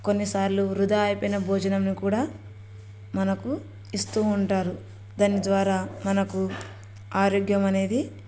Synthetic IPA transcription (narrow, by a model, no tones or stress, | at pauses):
konːisaːɾluɾud̪aːjipɔjnɐbʱoːd͡ʒɐnɐmnikuːɽaː | mɐnɐku | ist̪uːɳʈaːɾu | d̪ɐnːid̪ʋaːɾaːmɐnɐku | aːɾoːɡjɐmɐne̞ːd̪i